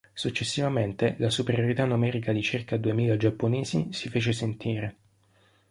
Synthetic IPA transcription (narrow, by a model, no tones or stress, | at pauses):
sut͡ʃːesːivament̪elasupeɾjoɾit̪anːumɛːɾikad̪it͡ʃirkad̪uemiːlad͡ʒapːoneːzisifeːt͡ʃesent̪ʰiːɾe